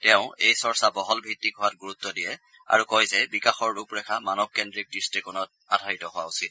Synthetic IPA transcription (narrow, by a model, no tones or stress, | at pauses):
tɛʊ̃ejsɔɹsabɔɦɔlbʱitːiɡʱɔwat̚ɡuɹutːɔdijɛ | a̰ɹukɔjzɛbikaxɔɹːupɹɛkʰamanɔb̚kɛndɹik̚distikɔnɔt̚adʱaitɔɦʊwausit̚